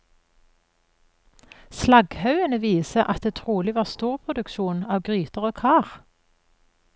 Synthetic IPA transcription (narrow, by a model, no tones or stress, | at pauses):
slɑɡhɑʉənəʋiːsəʔɑt̪̚d̪eːt̪ʰʁuːlɪʋɑːʁst̪uːʁpʰʁʊd̪ʉkʃuːnɑːʋɡʁyːt̪əʁoːkʰɑːʁ